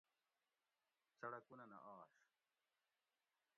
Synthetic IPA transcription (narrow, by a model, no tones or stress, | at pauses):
sɐɽɐkunɐnɐ̰ʔaːʂ